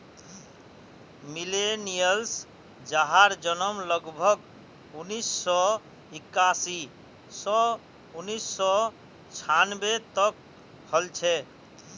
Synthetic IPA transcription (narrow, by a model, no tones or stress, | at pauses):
milenijəls | d͡ʒaɦaɾd͡ʒənəmləɡbʱəɡ | unisːɔ | ikːasi | sɔ | unisːɔ | t͡ʃʰanbet̪ək̚ | həlt͡ʃʰɛ